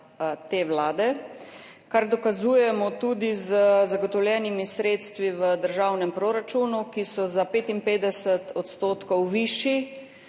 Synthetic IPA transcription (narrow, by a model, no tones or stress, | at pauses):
t̪eːwlaːd̪ɛ | kaɾd̪ɔkazuːjɛmɔt̪uːd̪izəzaɡɔt̪ɔwljɛːnimisɾeːt̪st̪ʋiʋəd̪əɾʒaːwnɛmpɾoɾat͡ʃuːnukisɔzapeːt̪impeːd̪ɛsət̪ʰɔt̪st̪oːt̪kɔwʋiːʃi